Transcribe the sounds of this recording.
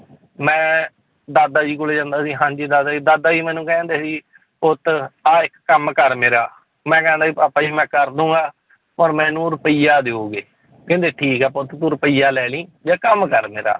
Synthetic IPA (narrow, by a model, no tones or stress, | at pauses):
mɛ̃ː | d̪aːd̪aːd͡ʒiːkʊleːd͡ʒãːnd̪aːsiːɦãːɲd͡ʒiːd̪aːd̪aːiːd̪aːd̪aːiːmɛ̃ːnũːkɛ̃ːnd̪eːsiː | pʊt̪aːɪkːəmkəɾmeːɾaː | mɛ̃ːkɛ̃ːnd̪aːipaːpaːd͡ʒiːmɛ̃ːkəɾd̪ũːɡaː | pəɾmɛ̃ːnũːɾəpəijaːd̪eːoːɡeː | kɪ̃nd̪eːʈʰiːkɛːpʊt̪t̪uɾəpəiːjaːlɛːlĩːd͡ʒaːkəmkəɾmḛːɾa̰ː